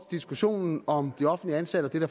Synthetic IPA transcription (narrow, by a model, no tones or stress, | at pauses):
d̥isɡ̥uɕo̝̰ːnn̩ɒ̽md̥iɒ̽fn̩liəænsæɾ̥əɒ̽d̥e̝d̥æɐ